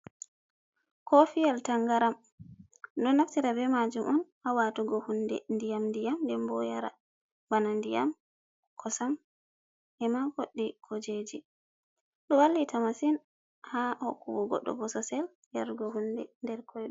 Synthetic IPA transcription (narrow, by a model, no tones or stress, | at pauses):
kɔfijaltaŋɡaɾam | dɔnaftiɾabɛmad͡ʒumʔɔn | awatuɡɔhundɛ̰ndijamndijamndɛmbɔjaɾa̰ | banandija̰m | kʰɔsam | ʔɛmaɡoɗːikʰɔd͡ʒed͡ʒi | ɗɔwalːitʰamasin | hahɔkːubuɡɔ̰ɗːɔ̰bɔsɔsɛl | jaɾɡɔɦundɛndɛɾkʰɔjɗ